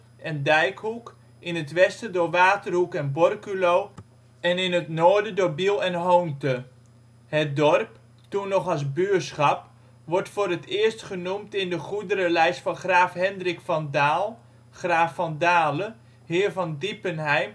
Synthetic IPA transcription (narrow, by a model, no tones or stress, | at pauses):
ʔɛndɛjkɦuk | ʔɪnətʋɛstədʊːɹʋaːtərɦukɛnbɔrkylow | ɛnɪnɦətnoːɹdədoːɹbilˠɛnɦowntə | ɦət̚dɔrp | tunːɔχɑlˠsbysχɑp | ʋɔɹtfʊːɾətɪːɹstχənumtɪndəχudəɾəlɛjstfɑnχraːfɦɛndrɪkfɑndaːlˠ | χraːfɑndaːlə | ɦɪːɹvɑndipənɦɛjm